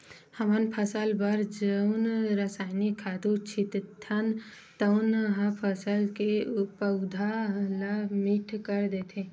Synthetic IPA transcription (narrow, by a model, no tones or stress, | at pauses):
həmənpʰəsəlbəɾd͡ʒəʊnɾəsaːɪnikʰad̪ut͡ʃʰit̪t̪ʰːən | t̪əʊnɦapʰəsəlkepəʊd̪ʱalamiʈʰkəɾd̪et̪ʰẽ